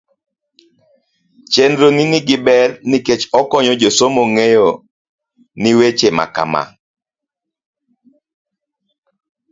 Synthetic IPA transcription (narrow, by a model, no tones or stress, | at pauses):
t͡ʃendɾoniniɡɪbɛrniket͡ʃɔkɔɲɔd͡ʒosomoŋejo | niwet͡ʃema̰ka̰ma̰